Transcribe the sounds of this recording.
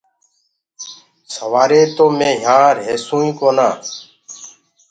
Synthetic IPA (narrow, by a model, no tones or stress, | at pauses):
səʋaːɾeːt̪oːmẽːɦãːɾɦeːsũːĩːkoːnãː